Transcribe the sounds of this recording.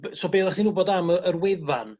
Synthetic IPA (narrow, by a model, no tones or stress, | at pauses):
bsoːbeːðaχdinuːbodaməərweðan